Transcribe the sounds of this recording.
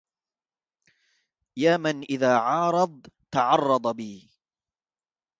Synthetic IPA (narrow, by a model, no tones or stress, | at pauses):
jaːmanʔɪðaːʕɑːɾˤɑd̪̚ˤt̪ɑʕɑrˤːɑd̪ˤɑbiː